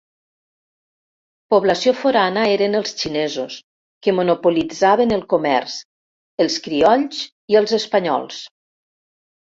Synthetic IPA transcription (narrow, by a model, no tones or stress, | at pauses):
poβləsiofoɾanəeɾənəlˠst͡ʃinɛzus | kəmonupulid͡zaβənəlˠkomɛ̰rz | əlˠskɾiɔʎz | iəlˠzəspəɲɔ̰lˠs